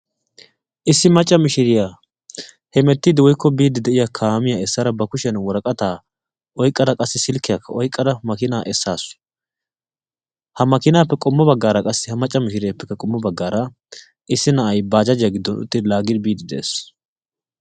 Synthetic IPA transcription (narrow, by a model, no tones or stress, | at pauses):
ʔɪsːɪmɐt͡ʃʼːɐmɪʃɪɾɪja | hɛmɛt̪ːɪd̪ɪwɔjkːɔbiːd̪ːɪd̪ɛʔɪjakʰaːmɪjaɛsːaɾɐbɐkʊʃɛnwɔɾɐkʼɐt̪aː | ʔɔjkʼːɐd̪ɐkʼɐsːɪsɪlkːɪjakːɐɔjkʼːɐd̪ɐmɐkɪnaːʔɛsːaːsʊ̥ | hɐmɐkɪnaːpːɛkʼɔmːɔbɐɡːaːɾɐkʼɐsːɪhɐmɐt͡ʃʼːɐmɪʃɪɾɪjapːɛkːɐkʼɔmːɔbɐɡːaːɾɐ | ʔɪsːɪnɐʔɐjbaːd͡ʒɐd͡ʒɪjaɡɪd̪ːɔnʊ̰t̪ʼːɪd̪laːɡɪd̪biːd̪ːɪd̪ɛʔḛːs